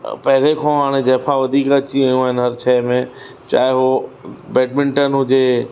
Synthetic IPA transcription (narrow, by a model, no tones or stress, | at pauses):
pɐɦɪɾekʰõɦaːɽ̃ẽd͡ʑɛːpʰaʋɐd̪ʱiːkət͡ɕiaːjũaːɦɪnɪɦɐɾt͡ɕʰɛːmẽ | t͡ɕa̰ːɦɪɦobeːɖ̚mɪ̃ɳʈənɦʊd͡ʑe